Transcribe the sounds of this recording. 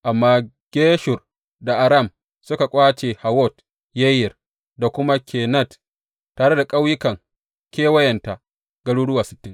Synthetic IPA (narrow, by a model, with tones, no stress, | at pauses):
ʔa˨mːaː˦ | ɡ̥ʲeː˦ʃʊ˨r | da˨ʔa˨ɾa˦˨m | sʊ˦ka˨kʷʼaː˦t͡ʃeː˨ha˨wɔ˦˨t | je˦jɪ˨r | da˨kʷʊ˦ma˦kʲʰeː˨nɐ˦˨t | taː˨ɽe˦da˨kʼa˦wjɪ˦kɐ˨ŋ | kʲeː˦wɐ˦jɐ˨nta˨ | ɡ̥ɐ˦ɽuː˦ɽʊ˦waː˨sɪ˦tːɪ˦ŋ